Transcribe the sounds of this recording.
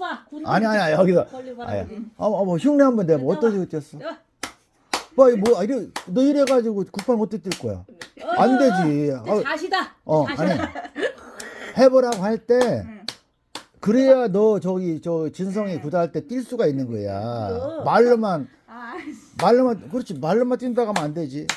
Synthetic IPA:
a̰ɲiaɲiaʌɡiɡaa̰ja̰mʌçuŋneɦambʌndemoʌt͈ʌsʰiɡot͈iʌs͈ʌ | baimʌaiɾenʌiɾe̞ɡad͡ʑiɡokupʰanɡʌt͈oit͈ːiɭk͈oja̰ande̞d͡ʑia | ʌaɲi | he̞bʌɾaɡhaɭt͈e̞ | kɯɾejanʌt͡ɕʌɡit͡ɕʌt͡ɕɯns̬ʰʌŋikudaaɭt͈e̞t͈ʼiɭs͈uɡainːɯnɡʌja̰maɭːɯman | maɭːɯmakɯɾʌt͡ɕʰimaɭːɯmant͈indaɡamnande̞d͡ʑi

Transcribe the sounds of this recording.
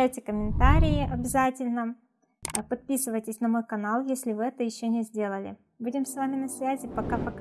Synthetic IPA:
æjtʲɪkəmʲɪnt̪aɾʲɪjɪʔɐbʲɪzatʲɪlʲnə | pɐt̪̚pʲisɨvəjtʲɪsʲnɐmo̞jkɐnalˠjesʲlʲɪvɨɛt̪əjɪɕːonʲɪzʲdʲe̞lˠəlʲɪ̰ | budʲɪmsvamʲɪnɐsvʲæzʲɪpɐkapɐk

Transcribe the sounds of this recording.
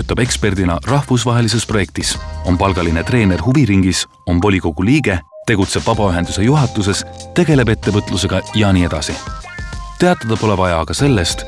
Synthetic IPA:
ut̪ːˑɑbe̞kspe̞rd̪inɑrɑhvus̬vɑɦe̞lise̞spro̞je̞k̚t̪iso̞mpɑlɡ̥ɑline̞t̪re̞ːne̞rɦuviɾiŋɡ̥is | o̞mvo̞lʲiko̞ɡ̥uliːɡ̥e̞ | t̪e̞ɡ̥ut̪se̞b̥vɑb̥ɑyɦe̞nd̪use̞juɦɑt̪ːˑus̬e̞s | t̪e̞ɡ̥e̞le̞be̞t̪ːe̞vɤt̪ˑluse̞ɡ̥ɑjɑniːe̞d̪̥ɑsi | t̪e̞ɑt̪ˑːɑd̪̥ɑpo̞le̞bɑjɑkɑse̞lːe̞st̪

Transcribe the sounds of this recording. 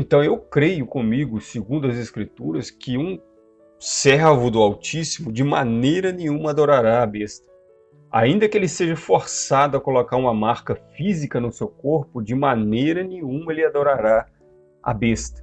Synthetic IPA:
ẽnt̪ɐ̃w̃ewkɾejʊkõmiɡʊsɪɡũnd̪ʊɐzeskɾit̪uɾɐskɪũ | sɛɾvʊd̪ʊawt͡ʃisimʊd͡ʒɪmanejɾɐnẽɲũmɐad̪oɾaɾaːbest̪ɐ̥ | a̰ĩnd̪ɐkɪelɪseʒɐfoɾsad̪ʊɐkolokaɾũmɐmaɾkɐfizikɐnʊsewkoɾpʊd͡ʒɪmanejɾɐnẽɲũmɐelɪad̪oɾaɾa | a̰best̪ɐ̥

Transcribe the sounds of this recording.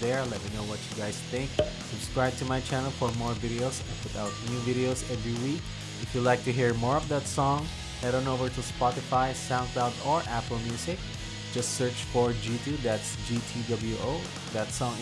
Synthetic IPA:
ðɛɹlɛt̚minoʊwʌt͡ʃjuɡaɪsθɪ̃ŋk̚ | sɨb̥skɹaɪb̚t̪umajt͡ʃænəlˠfɔɹmɔɹvɪɾioʊsãnpʊt̪aʊt̪̚njuvɪɾioʊsɛvɹiwik | ɪfjulaɪk̚t̪ɨɦiɹmɔɹɔvðət̪sɔ̃ŋ | aɾõʊnovəɹtuspɑtɪfaɪsãʊ̃nklaʊdɔɹʔæpəl̩ˠmjusɪk̚ | d͡ʒʌstsɜ˞t͡ʃfɔɹd͡ʒit̪ʰud̪ætsd͡ʒit̪ʰidʌbl̩ˠjuʔoʊ | ðæt̪sɔ̃ŋ

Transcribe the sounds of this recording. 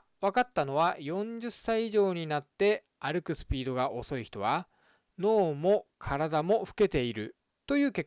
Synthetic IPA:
βakat̪ːano̞β̞ajõ̞ɲ̟d͡ʑɨsːaiːʑo̞ːɲ̟inat̪ːe̞ | aɾɯ̟kɯ̟sɨ̥pʲiːd̪o̞ɡaʔo̞so̞içi̥t̪o̞βa | no̞ːmo̞kʰaɾad̪amo̞ɸɯ̟̥ke̞t̪e̞iɾɯ̟̰ | t̪o̞jɯ̟ːke̞kː

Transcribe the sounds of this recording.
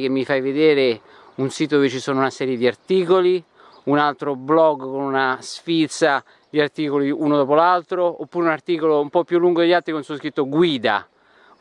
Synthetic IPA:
kemːifajved̪eːɾe | unsiːt̪od̪ovet͡ʃisoːnounasɛːɾjed̪iart̪iːkoli | unalt̪ɾoblɔɡkonunasfit̪sa | liart̪iːkoliuːnod̪ɔːpolalt̪ɾoopːuːɾeunart̪iːkoloumpɔpːjulːuŋɡod̪eʎːalt̪ɾikonsuos̬kɾit̪ːoɡwiːd̪a̰

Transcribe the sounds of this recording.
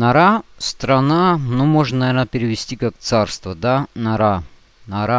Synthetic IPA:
nɐɾast̪ɾɐnanomoʐnənɐvʲeɾnəpʲɪɾʲɪvʲɪsʲtʲikak̚t̪sarst̪vəd̪anɐɾa | nɐɾa

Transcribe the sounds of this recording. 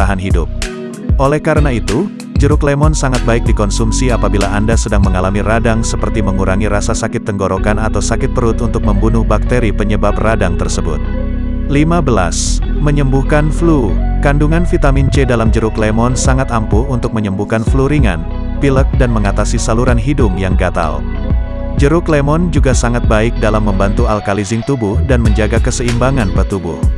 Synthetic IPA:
aɦanɦidʊ̰p̚ | ʔolɛhkaɾənait̪u | d͡ʒəɾʊklemɔnsaŋat̪̚baɪk̚dikɔnsumsiapabilaandasədaŋməŋalamiradaŋsəpərt̪iməŋuɾʔaŋiɾasasakɪt̪ːəŋɡoɾokanat̪awsakɪt̪̚pəɾʊt̪unt̪ʊk̚məmbunʊhbak̚t̪eɾipəɲəbapradaŋt̪ərsəbʊ̰t̪̚ | limabəla̰s | məɲəmbuhkanflukanduŋanfit̪amint͡ʃɛdalamd͡ʒəɾʊklemɔnsaŋat̪ampuunt̪ʊk̚məɲəmbuhkanfluɾiŋa̰n | pilək̚danməŋat̪asisaluɾanɦidʊŋjaŋɡat̪a̰l | d͡ʒəɾʊklemɔnd͡ʒuɡasaŋat̪̚baɪk̚dalamːəmbant̪ualkalizɪŋt̪ubuhdanməɲd͡ʒaɡakəsəimbaŋanpət̪ubʊ̰h

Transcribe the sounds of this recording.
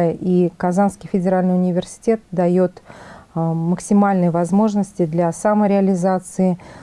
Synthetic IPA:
əʔikɐzanskʲɪjfʲɪdʲɪɾalʲnɨjʊnʲɪvʲɪrsʲɪ̥tʲe̞t̪̚d̪ɐjo̞t̪ | məksʲɪmalʲnɨjəvɐzmo̞ʐnəsʲtʲɪd̪lʲasaməɾʲɪɐlʲɪzat̪sɨɪ

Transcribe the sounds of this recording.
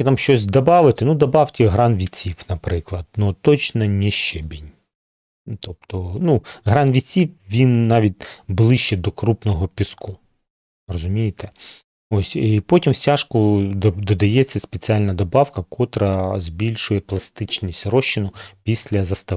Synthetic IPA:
ɪt̪ɑmʃt͡ʃɔs̬ʲd̪ɐbɑʋɪt̪ɪnud̪ɐbɑwtʲiɦɾɑnʋʲit͡sʲiwnɐpɾɪklˠɐd̪nɔt̪ɔt͡ʃnɐnʲɛʃt͡ʃɛbʲinʲ | t̪ɔp̚t̪ɔnuɦɾɑnʋʲit͡sʲiwʋʲinːɑʋʲit̚ʲblˠɪʃt͡ʃɛd̪ɔkɾupnɔɦɔpʲɪsku | rɔzʊmʲijɪt̪ɛ | osʲipɔtʲimsʲtʲaʃkʊd̪d̪ɔd̪ɐjɛt͡sʲːɐspet͡sʲialʲnɐd̪ɔbɑwkɐkɔt̪ɾɐzbʲilʲʃʊjɛplˠɐst̪ɪt͡ʃnʲisʲtʲrɔʃːɪnʊpʲisʲlʲɐzɐst̪ɐ

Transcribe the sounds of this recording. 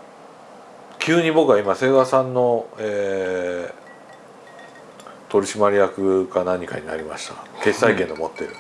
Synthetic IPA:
kʲɨːɲ̟ibo̞kɯ̟βaimase̞ːɡasãnːo̞eː | t̪o̞ɾʲiɕimaɾʲijakɯ̟ɡanãɲ̟ːika̰ɲ̟ina̰ɾʲimaɕi̥t̪ake̞ssaikẽ̞nd̪o̞mo̞t̪ːe̞ɾɯ̟

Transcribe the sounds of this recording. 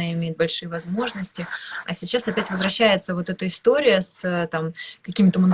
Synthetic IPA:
aɪmʲejɪt̪bɐlʲʂɨjəvɐzmo̞ʐnəsʲtʲɪɐ̰sʲɪt͡ɕːasɐpʲætʲvəzvɾɐɕːæjɪt̪səvo̞t̪ɛt̪əɪst̪o̞ɾʲɪjəsət̪amkɐkʲimʲɪt̪əmən

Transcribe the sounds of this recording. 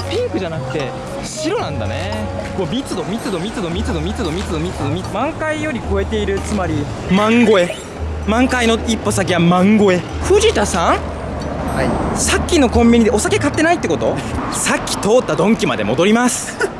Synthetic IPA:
pʲĩŋkɯ̟ʑanakɯ̟̥t̪e̞ | ɕiɾo̞nãnd̪a̰nekoːmʲit͡sɨd̪o̞mʲit͡sɨd̪o̞mʲit͡sɨd̪o̞mʲit͡sɨd̪o̞mʲit͡sɨd̪o̞mʲit͡sɨd̪o̞mʲit͡sɨd̪omʲimãŋkaijo̞ɾʲiko̞e̞t̪e̞iɾɯ̟t͡sɨmaɾʲi | mãŋɡo̞e̞ | mãŋkaino̞ipːo̞sak̬ʲiβamãŋɡo̞e̞ | ɸɯ̟ʑit̪asãŋ | asakʲːino̞kõ̞mbʲiɲ̟id̪eo̞sake̞kat̪ːe̞nait̪ːeko̞t̪o̞ | sakʲːi̥t̪o̞ːt̪ːad̪õ̞ŋkʲima̰d̪e̞̰mo̞d̪o̞ɾʲimasɨ̥

